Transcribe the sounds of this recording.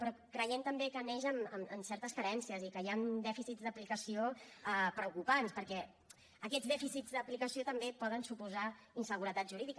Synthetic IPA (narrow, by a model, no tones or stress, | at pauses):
pɾɔkɾəjent̪əmbekəneʒəməməmsɛɾt̪əskəɾɛnsiəzikəjand̪ɛfisizd̪əplikəsioapɾəukupanspəɾkɛ | əkɛd͡zðɛfisid͡zd̪əplikəsiot̪əmbepɔð̞ənsupuzainsəɣ̞uɾət̪at̪ʒuɾiðik